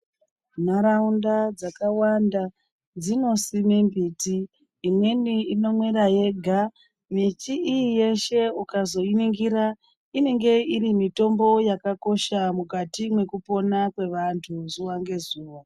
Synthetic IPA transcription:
naɾaundad͡zakawanda | d͡zino̞simembiːtiː | mwe̞niino̞mwe̞ɾaje̞ɡʱa | mit͡ʃiijije̞ʃe̞ukazo̞iniŋɡiɾa | ine̞ŋɡe̞irimito̞mbo̞jakako̞ʃamukatimwe̞kupo̞nakwe̞ʋantʰuzuʋaŋɡe̞zuːʋa

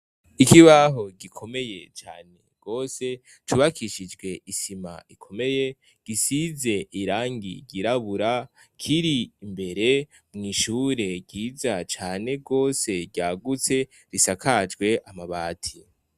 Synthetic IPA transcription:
ikiβaɦo̞ɡikʰo̞me̞je̞t͡ʃa̰ːne̞ɡ̥o̞ːse̞ | tuβakʰiʃid͡ʒɡwe̞ʔisima̰ikʰo̞me̞je̞ | ɡ̥isize̞ʔiɾaːŋɡḭɟiɾaβuɾa | kʰiɾiːmbe̞ɾe̞ | mŋiːʃuːɾe̞ɡɟiːzat͡ʃaːne̞ɡo̞ːse̞ɟaɡut͡se̞ | ɾisakʰad͡ʒɡwe̞ʔamaβaːtʰi

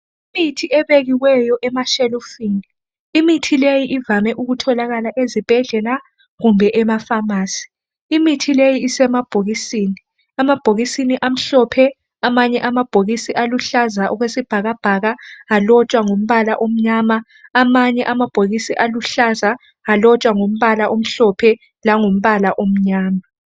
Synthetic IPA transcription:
imitʰiʔɛβeɣiwɛjɔʔɛmaʃɛlufini | imitʰilejiʔivamɛʔuɣutʰɔlaɣalaʔezib̥ʱɛɮɛla | ɣumbʱɛʔɛmafamaːsi̥ː | mitʰilejiːsɛmab̥ʱoɣisiːni | amab̥ʱoɣisiniʔam̩ɬɔpʰɛ | amaɲɛʔamab̥ʱoɣisiʔaluɬazaʔɔɣwesib̥ʱaɣab̥ʱaɣaalɔt͡ʃʼwaŋom̩βalaʔom̩ɲama | amaɲɛʔamab̥ʱoɣisiʔaluɬaza | alɔt͡ʃʼwaŋom̩βalaʔom̩ɬɔpʰɛ | laŋom̩βalaʔom̩ɲaːma

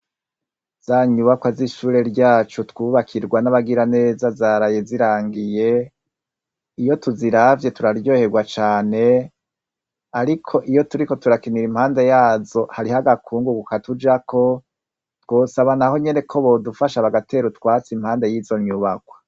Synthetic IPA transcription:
z̥aːɲuːβakwaziʃuːɾe̞ɾɟaːt͡ʃutwuːβakʰiɾɡwanaβaɡiɾane̞ːzazaːɾajeziɾaːŋɡije̞ | ijo̞tuziɾavje̞tuɾaɾjɟo̞ːhe̞ɡwat͡ʃaːne̞ | aɾikʰo̞ʔijo̞tuɾiko̞tuɾakiniɾimhaːndejaːzo̞haɾihaɡakʰuːŋɡuɡukatud͡ʒakʰo̞ | two̞ːsaβanaho̞ɲe̞ne̞kʰo̞βodufaʃaβaɡatʰe̞ːɾutwaːt͡simhaːndejiːzo̞ɲɲuβakwḁ

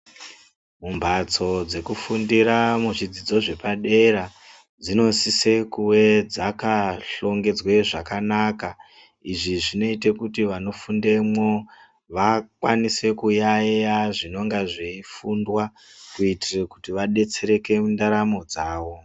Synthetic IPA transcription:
mumbʱat͡so̞d͡ze̞kufundiɾamuʐid͡zid͡zo̞ʐe̞paɗe̞ɾa | d͡zino̞sisekuwe̞d͡zakaɬo̞ŋɡe̞d͡zweʐakanaka | iʐiʐino̞itekutiʋano̞funde̞mwo̞ | ʋakwanise̞kujajaʐino̞ŋɡaʐeifundwa | kuitirekutiʋaɗe̞t͡se̞ɾe̞ke̞mundaɾamo̞d͡zaːʋo̞

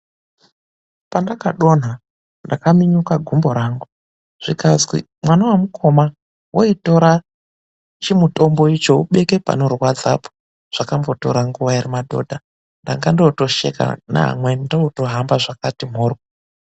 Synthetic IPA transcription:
pandakaɗo̞n̤a | ndakamiɲukaɡʱumbo̞ɾaːŋɡu | ʐ̥ikazɡḭ | mwanawamukʰo̞ma | woito̞ɾa | t͡ʃimuto̞mbo̞it͡ʃo̞uɓe̞ke̞pa̰norwad͡za̰po̥ | ʐ̥akambo̞to̞̰ɾaŋɡuʋaiɾimadʱo̞̰ːdʱa | ndaŋɡandouto̞ʃe̞̰ka̰na̰ɦa̰mwendouto̞ɦambaʐakatim̤ɦoːr

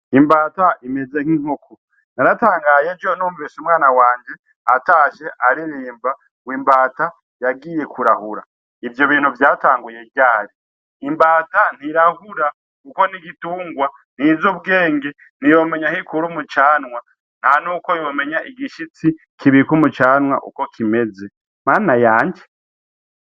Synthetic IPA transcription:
imbaːtaimeze̞ŋ̥iŋ̥ukʰu | naɾataːŋɡaːjed͡ʒonuːɱvisumwaːnawaːɲd͡ʒe̞ | ataːʃe̞ʔaɾiɾiːmba | wiːmbaːta | jaɡiːje̞kʰuɾahuɾa̰ | ivjo̞βiːn̥huvjaːtaːŋɡuje̞ɟaːɾiː | mbaːtan̥hiɾahuɾa | kuko̞niɡituːŋɡwa | n̥izoβɡe̞ːŋɡe | n̥ijo̞me̞ɲahikuɾumut͡ʃaːnwa | n̥hanuːko̞jo̞ːme̞ɲaʔiɡiʃit͡si | kʰiβikumut͡ʃaːnwa̰ʔṵko̞kʰime̞ze̞ | maːnajaːɲd͡ʒe

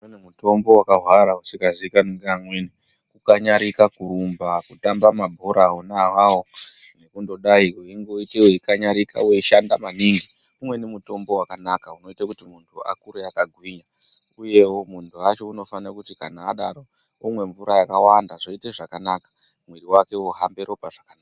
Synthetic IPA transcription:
uenemuto̞mbo̞wakaɦwaɾausikazikaniŋɡamweni | kukaɲaɾikakuɾumbakutambamabʱo̞ɾaːunaːwawone̞kundo̞ɗaikuiŋɡoitewoikaɲaɾika̰wiʃandamaniŋɡi | umwe̞nemuto̞mbo̞wakanakauno̞itakutimuntʰua̰kuɾeakaɡʱwiːɲa | uje̞wo̞muntʰuat͡ʃo̞uno̞fanakutikanaːɗaɾo̞ | imwe̞ɱvuɾajakawandaʐo̞iteʐakanakḁ | mweriwake̞oɦambe̞ɾo̞paʐ̥akanaːka

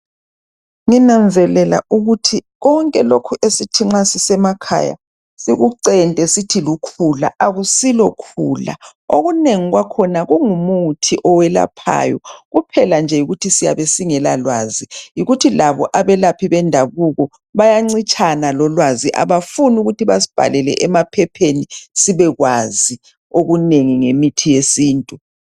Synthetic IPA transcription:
ŋinamd͡zʱɛlɛla̰ʔuɣutʰiɣɔŋkʼɛlokʰuʔesitʰiŋ͡ǁasisɛmakʰa̰ja̰ | siɣuǀɛntʼɛsitʰilukʰula̰ʔaɣusilɔkʰuːla̰oɣuneŋiɣwakʰɔnaɣuŋumutʰiʔɔwɛla̰pʰa̰ːjɔ̰ɣupʰɛland͡ʒʱɛjuɣutʰisija̰βesiŋɛlalwa̰ːzijiɣutʰilaβɔ̰ʔaβɛlapʰiβɛndʱaβuɣɔ | βajaŋ͡ǀit͡ʃʰʼanalɔlwaziʔa̰βafunuɣutʰiβasi̥b̥ʱa̰lɛlɛ̰ʔɛmapʰɛpʰenisiβɛɣwazi | oɣuneŋiŋemitʰijesiːntʼu

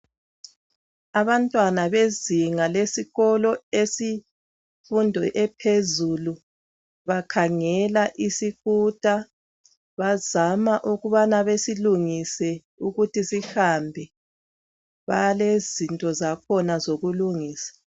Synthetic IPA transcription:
aβantʼwanaβeziŋalesiɣɔlɔesi | fundʱɔʔɛpʰezulu | βakʰaŋɛlaʔisiɣud̥ʱʼa | βazamaʔuɣuβanaβesiluŋisɛ | uɣutisihambʱɛ | βa̰jlezintʼɔzakʰɔnazoɣuluŋiːsḁ

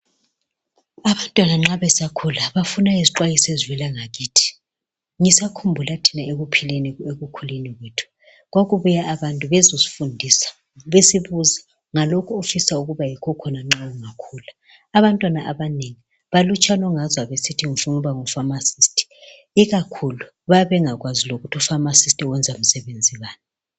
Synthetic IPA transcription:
aβantʼwanaŋ͡ǁaβɛsakʰulaβafunaiziǃwajisezwɛlaŋaɣiːtʰi̥ | ŋisakʰumbʱulatʰinaeɣupʰilenieɣukʰuleniɣweːtʰu̥ | ɣwaɣuβujaʔaβantʼuβɛzosi̥fundʱiːsḁ | βesiβuza | ŋalɔkʰɔofisauɣuβajikʰɔkʰɔnaŋ͡ǁawuŋakʰuːlaː | βantʼwanaʔaβaneŋi | βalut͡ʃʰʼanɔŋazwaβesitʰiŋifunuuβaŋufamasistʰʼi̥ | iɣakʰulu | βaβɛŋaɣwaziloɣutʰufamasistʼiwɛnd͡zʱam̩sɛβend͡zʱiβaːni

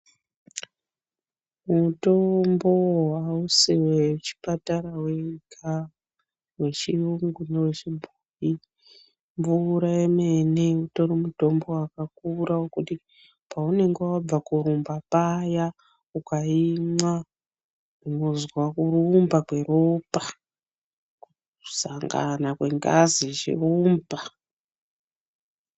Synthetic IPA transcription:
muto̞mbo̞ɦwausiwet͡ʃi̥pataɾaweikʰa | we̞t͡ʃiuŋɡunewet͡ʃibʱuji | ɱvuɾaemeneuto̞ɾimuto̞mbo̞wakak̚uɾawokuti | paune̞ŋɡewab͡vakuɾumbapaja | ukaimwa | runo̞zwakurumbakwe̞ɾopa | ku | saŋɡa̰nakwe̞ŋɡaziʐḭumba

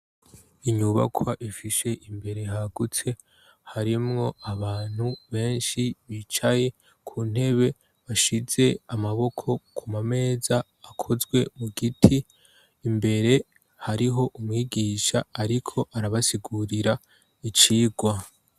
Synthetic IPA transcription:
iɲuβa̰kʰwaʔifiʃe̞ʔimbe̞ɾe̞ɦaɡ̥ut͡se̞ | haɾimŋo̞aβaːn̥huβe̞ːnʃiβit͡ʃaje̞ | kʰuːn̥e̞βe̞ | βaʃiz̥e̞amaβo̞kʰo̞kʰumame̞ːzaː | kʰo̞zɡwe̞muɡitʰiː | mbe̞ɾe̞ | haɾiɦo̞ʔumŋiːɡiːʃaːɾikʰo̞ʔaɾaβasiɡuɾiɾa | it͡ʃiːɡwa

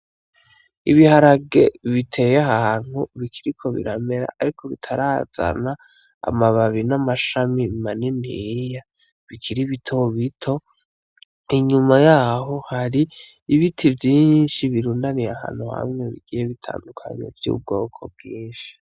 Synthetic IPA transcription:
iβihaɾaɡe̞βitʰe̞jaɦaːn̥huβikʰiɾikʰo̞βḭɾame̞ɾa̰ʔːɾikʰoβitʰaɾaz̥a̰na̰ː | maβaβinamaʃamimaninija | βikʰiɾiβitʰo̞βitʰo̞ | iɲumajaːɦo̞haɾiː | βitʰivjiːnʃiβiɾuːndanijaha̰ːn̥huha̰mŋe̞βḭɡ̥iːjeβitʰa̰ːndukʰa̰ɲḛvjṵːb̚ɡo̞ːkʰo̞̰b̚ɡiːnʃi̥

